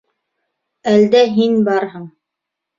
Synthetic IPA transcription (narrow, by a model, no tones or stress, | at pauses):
æld̪æɦinbɑɾɦɤɴ